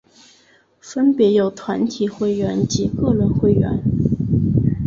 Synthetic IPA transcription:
fə˥npjɛ˧˥jo˨˩ʊt̪ʰwa˧˥nt̪ʰi˨˩xwe˥˩ɪɥɛ˧˥nt͡ɕi˧˥kɤ˥˧ɻə˧˥nxwe˥˩ɪɥɛ̰˧˥n

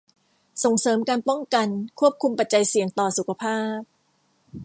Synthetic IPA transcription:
so˨˩ŋsɤː˩˦mkaː˧npɔ˥˩ŋka˧nkʰu˥˩əp̚kʰu˧mpa˨˩t̪̚t͡ɕa˧jsi˨˩˦ŋt̪ɔː˨˩su˨˩kʰa˧pʰaː˥˩p̚

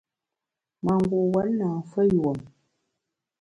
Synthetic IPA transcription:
ma˨ŋɡwo˨wa˨˦n˦na˨fə˦jwo˨m

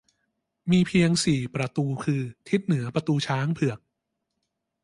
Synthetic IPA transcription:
miː˧pʰi˧əŋsiː˨˩pɾa˧t̪uː˧kʰɯː˧t̪ʰi˦˥t̪̚nɯ˩˦ɐpɾa˧t̪uː˧t͡ɕʰaː˦˥ŋpʰɯ˨˩ək̚

